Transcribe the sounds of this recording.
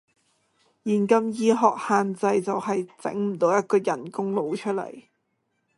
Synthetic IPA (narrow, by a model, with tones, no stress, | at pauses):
jiː˨˩nkɐ˧mjiː˧ɦɔː˨k̚haː˨nt͡sɐ˧jt͡sɐ˨whɐ˨jt͡sɪ̰˨˥ŋm̩˨˩t̪o˨˧wjɐ˥t̚kɔː˧jɐ˨˩nkʊ˥ŋlo˨˧wt͡ʃʰɵ˥t̚lɐ̰˨˩j